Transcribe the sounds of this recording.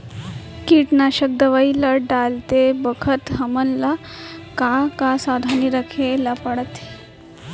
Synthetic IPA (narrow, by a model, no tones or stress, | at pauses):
kiʈnaɕək̚d̪əʋailaɖalt̪ebəkʰət̪ɦəmənla | kakasad̪ʱaniɾəkʰelapəɽət̪e